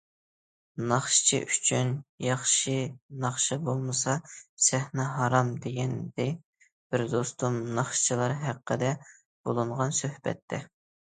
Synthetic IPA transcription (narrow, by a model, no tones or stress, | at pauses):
nɑχʃt͡ʃʰḭʔyt͡ʃʰynjɑχʃinɑχʃibolˠmɨsɑsæhnɛɦɑɾɑmd̪eɡʲɛnd̪ɪ | b̥ɪɾd̪ost̪umnɑχʃt͡ʃʰilˠɑɾɦæqːəd̪ɛ | b̥olˠɨɴʁɑnsøhbɛ̰t̪ʰːɛ